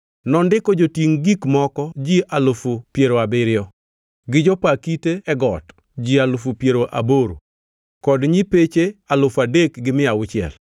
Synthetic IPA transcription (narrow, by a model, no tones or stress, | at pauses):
nɔndɪkɔd͡ʒotiŋɡikmɔkɔd͡ʒiʔalʊfʊpjeɾoabɪɾɪjɔ | ɡɪd͡ʒɔpakiteɛɡɔt | d͡ʒialʊfupjeɾoʔa̰boɾo̰ | kɔdɲipet͡ʃealʊfadekɡɪmɪawʊt͡ʃɪɛ̰l